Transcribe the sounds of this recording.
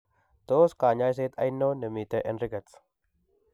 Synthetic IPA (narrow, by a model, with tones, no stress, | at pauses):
t̪o˦skaː˨ɲa˦js̬e˦t̪a˦jnːo˦nə˨mi˨t̪eʔe˦nɾɪ˦ɡɐ˨t͡s